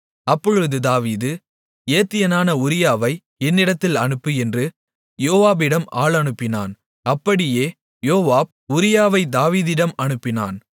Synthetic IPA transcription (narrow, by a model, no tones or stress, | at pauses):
ɐpːɔɻɯʋðɯd̪aːʋiːðɯ | eːt̪ːɪjɐnaːnɐʊɾɪjaːʋɐɪ | ɛnːɪɽɐt̪ːɪlɐnɯpːɯɛndrɯ | joːʋaːbɪɽɐma̰ːɭɐɳɯpːɪna̰ːn | ɐpːɐɽɪjeː | joːʋaːb̚ | ʊɾɪjaːʋɐɪd̪aːʋiːðɪɽɐmɐɳɯpːɪna̰ːn